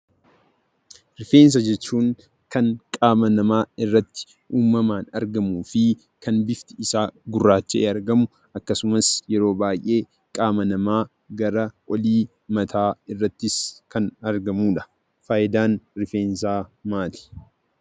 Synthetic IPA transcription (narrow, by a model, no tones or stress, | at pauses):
ɾɪfe̞ːns̬ɐd͡ʒɛt͡ʃːuːŋ | kɐŋkʼaːmɐnɐmaːɪrːɐt̪ːɪ̥ | ʔuːmːɐmaːnɐ̰ɾɡɐmuːfɪ | kɐnbɪft̪ɪɪsaːɡʊrːaːt͡ʃːɛʔeːɐɾɡɐmʊ | ʔɐkːɐsʊmɐsjɛɾo̞ːbaːjʔe̞ː | kʼaːmɐnɐmaː | ɡɐɾɐʔɔliː | mɐt̪ʰaːɪrːɐt̪ːɪskɐnɐɾɡɐmuːᶑɐ̥ | faːʔɪd̪aːnɾɪfe̞ːns̬aːmaːlɪ̥